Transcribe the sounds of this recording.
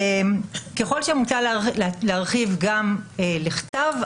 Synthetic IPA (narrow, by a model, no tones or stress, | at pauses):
emkeχo̞lʃemut͡salleaʁχivɡameleχt̪av